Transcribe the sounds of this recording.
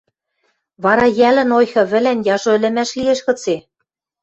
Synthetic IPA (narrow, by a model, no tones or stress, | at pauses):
βɑɾɑjælɘ̆nojxɤ̆βɘ̆lænjɑʒoɘ̆lɘ̆mæʃlieʃkɤ̆t͡se